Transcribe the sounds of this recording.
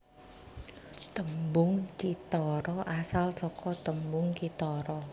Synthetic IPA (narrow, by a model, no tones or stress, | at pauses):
t̪əmbʊŋt͡ʃit̪ɔɾɔʔasalsɔkɔt̪əmbʊŋt͡ʃit̪ɔɾɔ